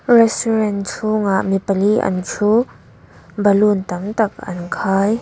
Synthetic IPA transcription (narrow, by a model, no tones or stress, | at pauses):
rɛsuɾɛnt͡sʰuŋaʔmipəliʔɐ̰nt͡ʃʰu | bəlunt̪ɐmt̪ɐk̚ʔɐ̰nkʰaːj